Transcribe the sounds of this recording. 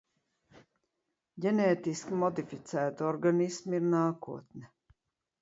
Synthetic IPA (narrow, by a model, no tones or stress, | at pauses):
ɟɛnɛːt̪iskʲimɔd̪ifit̪sæːt̪ɔɾɡanismiɾnaːkuɔt̪nʲɛ